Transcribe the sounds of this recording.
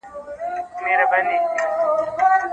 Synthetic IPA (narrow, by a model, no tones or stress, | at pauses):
neɾabani